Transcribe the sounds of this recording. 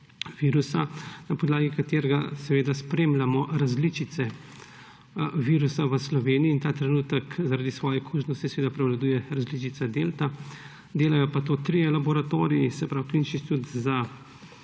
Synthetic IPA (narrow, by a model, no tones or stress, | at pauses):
ʋiːɾusanapɔd̪laːɡikat̪eːɾɛɡasɛʋeːd̪aspɾeːmlʲamɔɾazlit͡ʃit̪sɛ | ʋiːɾusaʋəslɔʋeːniiːnt̪aːt̪ɾɛnuːt̪əkzaɾaːd̪isʋɔːjɛkʰuːʒnɔst̪isɛʋeːd̪apɾɛwlad̪uːjɛɾazlit͡ʃit̪sad̪eːlt̪a | d̪eːlajɔpat̪oːt̪ɾijɛlabɔɾat̪oːɾijisɛpɾawkinʃit̪ut̪za